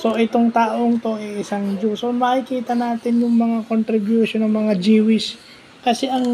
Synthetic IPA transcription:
so̞ʔɪt̪oŋt̪aːʔoŋt̪o̞ɛʔɪsaŋd͡ʒuːsomɐkɪkiːt̪ɐnaːt̪ɪnjʊŋmɐŋakont̪ɾɪbjuʃonɐŋmɐŋad͡ʒiːwɪs | kɐsɛʔɐŋ

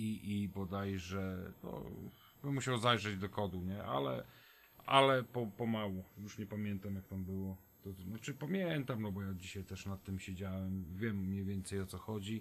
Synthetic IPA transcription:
iʔibɔd̪ajʐɛnɔ̰ | bɘmːuɕawzajʐɛd͡ʑd̪ɔkɔd̪uɲɛʔa̰lɛ̰ | ʔalɛpɔpɔmawujuʂɲɛpamʲjɛnt̪amjak̚t̪ambɘwɔ | t̪ɔnat͡ʂɘpamʲjɛnt̪amnɔbɔjad͡ʑiɕajt̪ɛʂnat̪ːɘmɕɛd͡ʑawɛmvʲjɛmːɲejvʲjɛnt̪sɛjɔt̪sɔxɔd͡ʑi

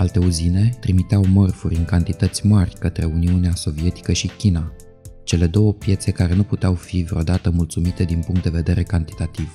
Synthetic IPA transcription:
alt̪e̞uzine̞t̪ɾimit̪eawmərfuɾʲɨŋkant̪it̪ət̪sʲmarʲkət̪ɾe̞uniuneaso̞vije̞t̪i̥kəʃikʲina | t͡ʃe̞le̞d̪o̞wəpje̞t̪se̞kaɾe̞nuput̪eawfivɾeod̪at̪əmult̪sumit̪e̞d̪inpuŋkt̪d̪e̞ve̞d̪e̞ɾe̞kant̪i̥t̪at̪iv̥

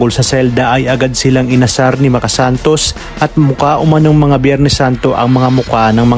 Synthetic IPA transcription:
ɡolsɐsɛld̪ɐʔɐjɐɡad̪̚sɪlaŋɪnɐsaɾnɪmɐkɐsant̪o̞s | ʔɐt̪̚mʊkaʔʊmɐnoŋmɐŋabjɛɾnɛsant̪o̞ʔɐŋmɐŋamʊkanɐŋmɐ

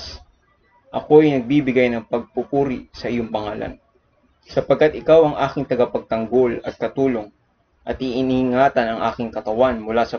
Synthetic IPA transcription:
s | ʔɐko̞ɐjnɐɡ̚bibɪɡajnɐŋpɐɡ̚pʊpuːɾɪsɐʔɪjoŋpɐŋaːlɐ̰n | sɐpɐɡ̚kːat̪ʔɪkawɐŋʔaːkɪŋt̪ɐɡɐpɐɡ̚t̪ɐŋɡo̞lɐ̰t̪̚kɐt̪uːlo̞ŋ | ʔɐt̪̚hɪʔɪnhŋaːt̪ɐnɐŋʔaːkɪŋkɐt̪ɐwanmʊlaːsɐ

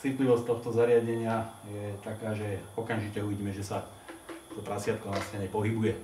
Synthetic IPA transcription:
t͡sit̪liʋɔst̪ɔxt̪ɔzaɾɪaɟɛɲɪajɛt̪akaːʒɛɔkamʒicɛuʋiɟiːmɛʒɛsa | t̪ɔt̪ɾasɪat̪̚kɔnastɛɲɛpɔɦibujɛ

